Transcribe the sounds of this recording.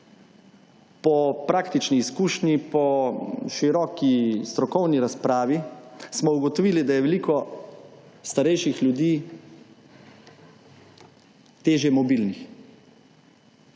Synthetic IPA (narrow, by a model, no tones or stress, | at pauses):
pɔpɾaːkt̪it͡ʃniːskuːʃnipɔʃiɾɔːkist̪ɾɔkɔwniɾaspɾaːʋismɔuɡɔt̪ɔʋiːlid̪ajɛʋɛlikɔ | st̪aɾɛjʃixlʲjud̪iː | t̪eːʒjɛmɔbilnix